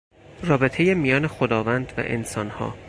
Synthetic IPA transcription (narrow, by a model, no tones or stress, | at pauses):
rɒːbe̞t̪ʰe̞jemijɒːne̞xod̪ɒːvænd̪væ̰ʔḛnsɒːnhɒ̰ː